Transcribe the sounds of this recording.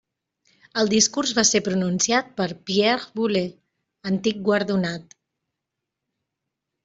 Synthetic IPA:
əlˠd̪iskuɾzβasepɾununsjat̪̚pəɾpjɛɾβule | ənt̪ik̚ɡwəɾðunat̪

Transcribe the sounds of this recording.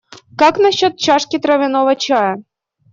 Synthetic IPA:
kɑknɐɕːot̪̚t͡ɕɑʂkʲit̪ɾɐvʲɪnovət͡ɕɑjə

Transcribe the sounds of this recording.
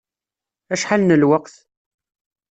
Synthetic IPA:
æʃħalnəlwəqθ

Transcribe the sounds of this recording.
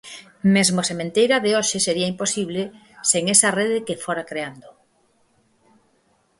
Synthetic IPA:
mezmosemẽnt̪ejɾaðeoʃeseɾiɐimposiβle | seŋesareðɪkefoɾakɾeand̪o

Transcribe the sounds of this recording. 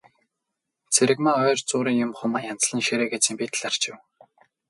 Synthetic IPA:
t͡sʰeɾɘ̆kmaœːrt͡sʊːɾiːŋjʊmχʊmaːjant͡s̆ɮə̆nʃeɾeːɡet͡sĭːmpit̪̆ɮar̥t͡ɕɪ̆w

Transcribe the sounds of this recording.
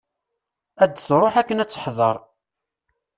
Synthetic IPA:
æd̪ːθɾˤoħækːənæt͡sːə̥ħðˤəɾˤ

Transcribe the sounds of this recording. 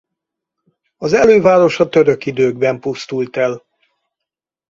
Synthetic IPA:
ɒzɛløːvaːɾo̞ʃɒt̪øɾø̞kid̪øːɡ̚bɛmpust̪ult̪ɛl

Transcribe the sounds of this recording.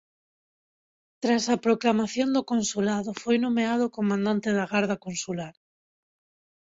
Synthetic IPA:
t̪ɾasapɾoklamaθjond̪okonsulaðofojnõmeaðokomãnd̪ãnt̪eð̞aɣaɾð̞akõnsulaɾ

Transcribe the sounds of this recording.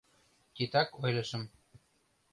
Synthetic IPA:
k̪ʲit̪ɑkojlɤ̆ʃə̆m

